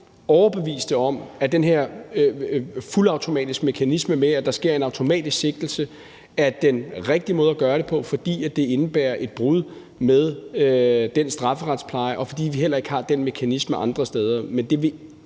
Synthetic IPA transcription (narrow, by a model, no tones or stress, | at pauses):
ɒʊɐb̥e̝ʋḭːsd̥əɒ̽m̰æd̥enɦeɐ̰ | fulɑ̈ʊt͡sʰo̝mɛ̰ːd̥isɡ̥me̝kʰænisməmeæd̥ɑ̈sɡ̥e̝ɐ̰e̝nɑ̈ʊt͡sʰo̝mɛ̰ːd̥isɡ̥se̝ɡ̥̚d̥l̩sə | æd̥enʁeɡ̥̚d̥imɔð̞ˠɐɡ̥ɶːɐɾe̝pʰɒ̽fɒ̽d̥ḭːæ̥d̥e̝e̝nəb̥æːɐʔe̝d̥̚b̥ʁuðˠ | með̞ˠød̥ensd̥ʁɑ̈fəʁɑ̈d̥spʰlɑ̈ɪʔɒ̽fɒ̽d̥ḭːʋiɦel̰ɐe̝ɡ̥hɑ̈d̥enme̝kʰænisməʔɑ̈nd̥ʁɐsd̥eːð̞ˠɐmend̥e̝ʋe̝